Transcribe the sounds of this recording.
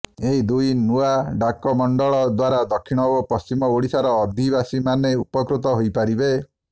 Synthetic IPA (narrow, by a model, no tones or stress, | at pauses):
eɦid̪ujnuaɖakɔmɔɳɖɔɭɔd̪waɾad̪ɔkʰːiɽ̃ɔbɔpɔst͡ʃimɔoɽisaɾɔːd̪ʱibasimaneupɔkɾut̪ɔɦojpaɾibe